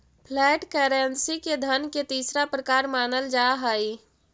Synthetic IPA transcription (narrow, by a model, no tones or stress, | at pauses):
pʰlɛːʈkɛːɾensiked̪ʱənket̪iːsɾapɾəkaːɾmaːnəld͡ʒaɦəj